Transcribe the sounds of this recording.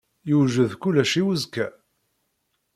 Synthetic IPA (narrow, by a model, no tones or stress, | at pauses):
juʒəðkulæʃiwəzkæ